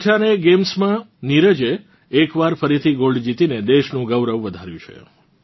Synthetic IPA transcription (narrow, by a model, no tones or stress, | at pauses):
ʈʰaneɡemsmãniɾəd͡ʒeː | kʋaɾfəɾit̪ʰiɡoɭɖd͡ʒit̪ined̪eʃnũɡəʋɾəʋʋəd̪ʱaɾjũt͡ʃʰḛ